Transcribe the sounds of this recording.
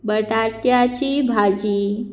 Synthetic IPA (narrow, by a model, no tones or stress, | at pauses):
bəʈaɾt̪jat͡ɕibʱad͡ʑiː